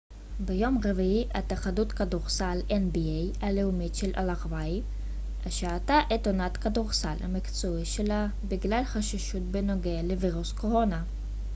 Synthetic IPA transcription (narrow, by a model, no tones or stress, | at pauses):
bejo̞mʁeviiat̪aχadutkadoʁsalenbiej | aleumitʃelʔa̰laʁvaj | aʃeataʔet̪onatkadoʁsalha̰mikt͡soiʃela | biɡlalχaʃiʃutbenoɡealeviʁusko̞ʁo̞na